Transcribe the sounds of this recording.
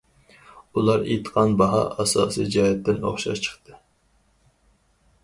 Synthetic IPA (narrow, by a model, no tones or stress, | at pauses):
ulˠɑɾḛt̪qʰɑnbɑɦɑ̰ʔɑsɑ̰ːsijd͡ʒɑːɦɛt̪ːɪno̰χʃɑ̰ʃt͡ʃʰə̥χt̪ʰɨ